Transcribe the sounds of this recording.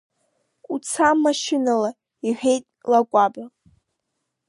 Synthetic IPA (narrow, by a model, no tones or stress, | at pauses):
ut͡sʰamːaʃɪnala | iħʷᶣe̞jtʼlakʷʼaba